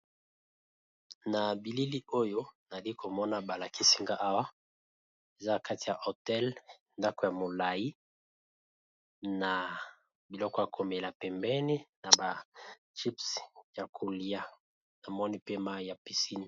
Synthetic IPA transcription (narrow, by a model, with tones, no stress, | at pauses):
na˨bi˨li˦li˦o˦jo˦na˨li˦kʰo˨mɔ˦na˨ba˨la˨ki˦si˦ŋɡa˦ʔa˦wa˦ | e˨za˦ka˦ti˨ja˨ʔo˨tɛ˦l | nda˦kɔ˨ja˨mo˨la˨i˦ | na˨ | bbi˨lɔ˦kɔ˦ja˨ko˨mɛ˨la˨pɛ˨mbɛ˦ni˦na˨ba˨ | t͡ʃi˦psja˨kʰo˨li˦a˦ | na˨mɔ˦ni˨pe˦ma˦ja˨pi˨si˦ni˨